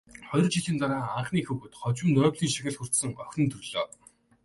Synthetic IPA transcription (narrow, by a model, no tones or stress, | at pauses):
χɔj̆rt͡ɕiɮiːnt̪aɾaːaɴχniːxuɣɘ̆t̪χɔt͡ɕwɘ̆nt̪œːwɮiːŋʃi̥xʲɪ̆ɮxur̥t̪sə̆ŋœxʲnɘ̆nt̪ʰɵɮɔː